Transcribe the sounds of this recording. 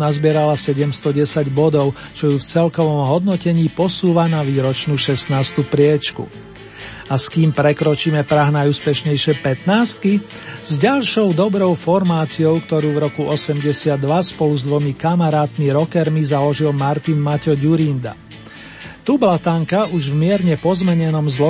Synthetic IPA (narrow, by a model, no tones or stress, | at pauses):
nazbɪɛɾalasɛɟɛmst̪ɔɟɛsaɟbɔd̪ɔʊ | t͡ʃɔjuft͡sɛlkɔʋɔmɦɔd̪nɔcɛɲiːpɔsuːʋanaʋiːɾɔt͡ʃnuːʃɛsnaːst̪upɾɪɛt͡ʃkṵ | askiːmpɾɛkɾɔt͡ʃiːmɛpɾaɦnajuːspɛʃɲɛjʃɪɛpɛt̪naːst̪̚ki | zɟalʃɔʊd̪ɔbɾɔʊfɔɾmaːt͡siɔʊkt̪ɔɾuːvɾɔkuʔɔsɛmɟɛsɪad̪ːʋaspɔluzd̪ʋɔmikamaɾaːt̪miɾɔkɛɾmizalɔʒilmaɾt̪inmacɔɟuɾind̪a̰ | t̪ublat̪aŋkauʒvmɪɛɾɲɛpɔzmɛɲɛnɔmzlɔ